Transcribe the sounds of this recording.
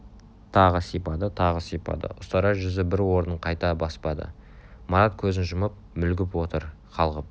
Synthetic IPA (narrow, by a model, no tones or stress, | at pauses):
t̪ʰɑʁəsijpɑd̪ət̪ʰɑʁəsijpɑ̰d̪ə̰ʔʊst̪ɑɾɑʒʏzɪbɪɾwo̞ɾnəɴqʰɑjt̪ɑbɑspɑd̪ə̰ | mɑɾat̪̚kʲʰɵzɪnʒʊməp̚mʏlɡʲɪpwo̞t̪əɾ | qʰɑlˠʁəp̚